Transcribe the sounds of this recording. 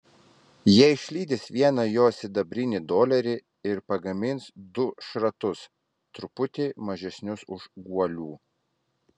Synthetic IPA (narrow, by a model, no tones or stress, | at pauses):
jiɛɪʃʲlʲiːd̪ʲɪsʋʲiɛnɐjoːsʲɪd̪ɐbʲɾʲɪnʲɪd̪oːlʲɛɾʲɪ | ɪɾpɐɡɐmʲɪnsd̪ʊʃɾɐt̪ʊs | t̪ɾʊpʊt̪ʲeːmɐʒʲɛsʲnʲʊsʊʒɡuɔlʲuː